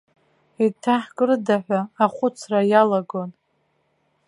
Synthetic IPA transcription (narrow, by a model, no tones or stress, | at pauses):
itʰaħkʼɨrdaħʷᶣaːχʷʊt͡sʰrajalaɡo̞n